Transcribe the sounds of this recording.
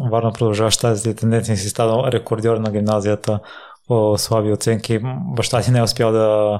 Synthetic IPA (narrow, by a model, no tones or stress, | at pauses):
vaɾnopɾod̪ɐlˠʒavɐʃt̪aziit̪ɛnd̪ɛnt̪siəsist̪anəlˠɾɛkoɾd̪ʲɔɾnɐɡʲimnazijət̪ə | oslˠabiot̪sɛŋkibɐʃt̪at̪inɛʊspʲjalˠd̪ɐ